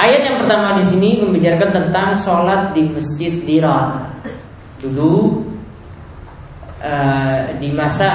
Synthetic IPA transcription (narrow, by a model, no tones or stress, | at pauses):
ʔajat̪̚jaŋpərt̪amadisiniməmbid͡ʒarkant̪ənt̪aŋsolat̪̚diməsd͡ʒɪt̪̚diɾɔr | dulu | ədimasa